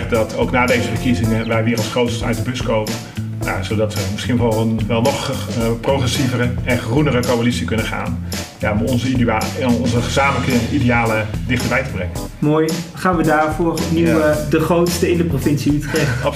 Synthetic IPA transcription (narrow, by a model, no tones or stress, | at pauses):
χdɑtʰowknaːdejzəfəɹkizɪŋəʋɛjʋɪːrɑlˠsχrowtstəœ̰ɥt̚dəbʏskowmən | n̰zowdɑtʋəmɪsχinvɔənʋɛlˠnɔχproχrɛsivərəɛnχrunərəkowalitsikɵnənχa̰ːnja̰ɔmɔnzə | ɔnzəχəzaːmələkəidejaːlədɪχtəɹbɛjtəbrɛŋən | moːjχaːnʋədaːɹvoːrɔpniwədəχrowtstəɪndəprovɪnsiytχeəɑ